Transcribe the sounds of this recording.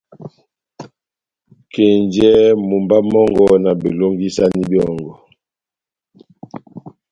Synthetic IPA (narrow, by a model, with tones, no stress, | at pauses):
ke˨nd͡ʒɛ˦mu˨mba˦mɔ˦ŋɡɔ˨na˨be˨lo˦ŋɡi˦sa˦ni˦bjɔ˦˨ŋɡɔ˨